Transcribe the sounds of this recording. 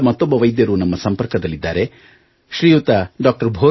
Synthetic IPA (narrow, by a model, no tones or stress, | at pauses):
mɐt̪ːobɐʋɐjd̪jɐɾunɐmːɐsɐmpɐɾkɐd̪ɐlːid̪ːa̰ːɾe | ʃɾiːjut̪ɐɖaːk̚ʈɐɾbʱoː